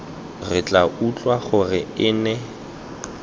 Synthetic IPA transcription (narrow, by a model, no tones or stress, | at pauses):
rɪt͡ɬʼaut͡ɬʼwaχʊrɪɪːnɛ